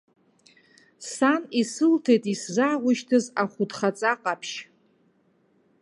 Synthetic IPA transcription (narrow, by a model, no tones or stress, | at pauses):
sanisɨltʰejtʼiszaːʁʷʊʃtʰɨzaχʷʊdχat͡sʼaqʼapʰʃ